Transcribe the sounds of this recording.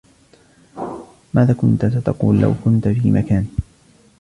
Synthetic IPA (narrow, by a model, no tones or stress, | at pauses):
maːðaːkʊnt̪asat̪ɑquːlːa̰wkʊnt̪fiːmʔakaːn